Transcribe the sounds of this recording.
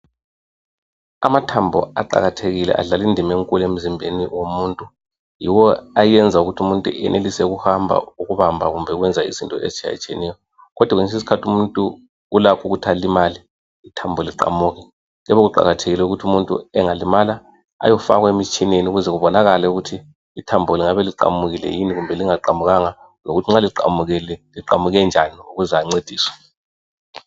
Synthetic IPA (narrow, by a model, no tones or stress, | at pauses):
a̰matʰambʱɔ̰a̰ǃa̰ɣatʰeɣilɛ̰ʔa̰ɮalindʱimeŋkʼulem̩zimbʱḛniwomuːntʼu | jiwɔajɛnd͡zʱauɣutʰumuntʼṵɛ̰nʔelisɛɣuhambʱa̰uɣuβambʱaɣumbʱɛɣwɛnd͡zʱaḭzintʼɔ̰ḛzit͡ʃʰʼia̰t͡ʃʼiɛ̰nɛjɔ | ɣɔd̥ʱwaɣeŋs̬isi̥kʰatʰumuntʼuː | lakʰuɣutʰalimaliː | tʰambʱɔliǃa̰muːɣɛ | ŋɣɛβɔɣuǃa̰ɣatʰeɣilɛuɣutʰumuntʼṵɛŋalimala | a̰jɔfa̰ɣwemit͡ʃʼineniuɣuzɛɣuβɔnaɣalɛuɣutʰi | itʰambʱɔliŋaβɛliǃa̰muɣilɛ̰jiniɣumbʱɛliŋaǃamuɣaŋa | noɣutʰiŋ͡ǁaliǃa̰muɣɛlɛliǃamuɣɛnd͡ʒʱaniuɣuzaŋ͡ǀed̥ʱiːswḁ